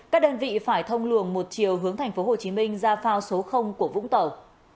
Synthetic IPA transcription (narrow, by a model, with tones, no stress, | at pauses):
kaː˦˥k̚ɗəː˧nvḭ˧˨faː˧˩jt̪ʰə˧wŋ͡mlɨ˧˩əŋmo˨˩t̚t͡ɕi˨˩əwɦɨ˨˦əŋt̪ʰa˨˩jŋ̟fo˨˦ɦo˨˩t͡ɕi˨˦mi˧ŋ̟zaː˧faː˧wso˨˦xə˧wŋ͡mku˧˩əvʊ̰˧˥ŋ͡mt̪ə˨˩w